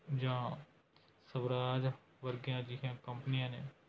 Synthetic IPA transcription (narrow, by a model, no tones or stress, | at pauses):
d͡ʒãã | sɐʋɾaːd͡ʒ | ʋɐɾɡijãːd͡ʒiːɦɛ̃ːkɐ̃mpnijãːnẽː